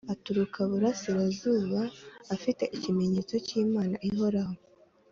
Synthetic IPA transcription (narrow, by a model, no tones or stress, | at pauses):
atuɾukʰaβuɾasiɾazuːβaːfite̞ʔicime̞ɲe̞ːt͡so̞ciːmaːnaʔiɦo̞ɾaho